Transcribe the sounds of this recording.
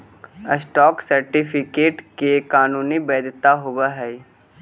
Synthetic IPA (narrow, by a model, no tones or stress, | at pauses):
əsʈɔːksəɾʈipʰɪkeːʈkekaːnuːnibɛːd̪t̪aɦʊbaɦɛː